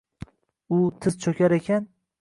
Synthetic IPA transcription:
ʊt̪ʰɪzt͡ʃʰokʲaɾekʲʰan

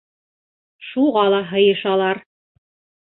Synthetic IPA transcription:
ʃuʁɑlˠɑɦɤ̆jɤ̆ʃɑlˠɑɾ

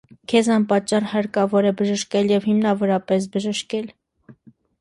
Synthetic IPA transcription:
kʰɛzɑnpɑt͡ʃːɑrhɑɾkɑvɔɾɛbəʒəʃkɛljɛvhimnɑvɔɾɑpɛs̬bəʒəʃkɛl

